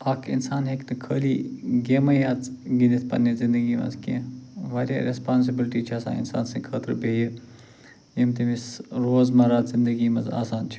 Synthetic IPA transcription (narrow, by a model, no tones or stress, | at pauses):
aːkʰḭnsaːnɦeknikʰəːliːɡeːmɐjaːt͡s̪ɡinit̪ʰpɐ̰nːezɪnd̪əɡiːmɐ̰zkḛ̃ʋaːɾʲja̰ːɾespaːns̬ibilʈiːt͡ʃʰaːsã̰ːɪ̰nsa̰ːnsĩːkʰəːt̪əɾbeːji | jimt̪imisɾoːzmɐɾaːt̪zɪnd̪əɡiːmɐza̰ːsaːnt͡ʃʰi̥